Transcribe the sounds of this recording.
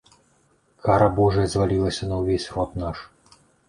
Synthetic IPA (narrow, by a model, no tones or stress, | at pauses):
kʰaɾɐbɔʐɛzʲvalʲilˠɐsʲɐnɐwvʲesʲrɔt̪naʂ